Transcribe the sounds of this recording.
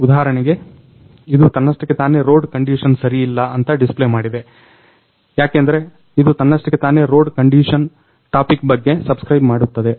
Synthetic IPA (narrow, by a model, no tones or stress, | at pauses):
ud̪aːɦɐɾɐɳiɡe̞ | id̪ut̪ɐnːɐsʈɐkːet̪aːne̞ɾo̞ːɖkɐɳɖiːʃɐnsɐɾiːlːɐɐnt̪ɐɖisplemaːɽid̪e̞ | jaːkeːnd̪ɐɾe̞ | id̪ut̪ɐnːɐsʈɐkːet̪aːne̞ɾoːɖkɐɳɖiːʃɐn | ʈaːpikbɐɡːe̞sɐbskɾɐjbmaːɽut̪ːɐd̪e̞